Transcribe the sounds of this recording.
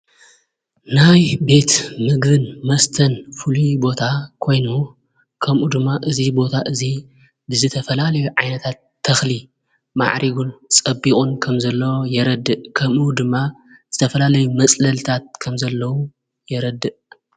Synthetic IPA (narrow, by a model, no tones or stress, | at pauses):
najbe̞t̪mɨɡbɨnmɐst̪ʰɐnfulubo̞t̪ʰakʰo̞jnu | kʰɐmʔud̪ɨmːaʔɨzibo̞t̪ʰaʔɨzi | bɨzɨt̪ʰɐfɐlalɐjuʕajnɐt̪ʰat̪ʰːɐxli | ma̰ʕɾiɡunt͡sʼɐbikʼunkʰɐmzɐlːɐwojɛɾɐd̪ːɨʔkʰɐmʔud̪ɨmːa | z̥ɨt̪ʰɐfɐlalɐjumɐt͡sʼlɐlt̪ʰat̪̚kʰɐmzɐlːɐwu | jɛɾɐd̪ːɨʔ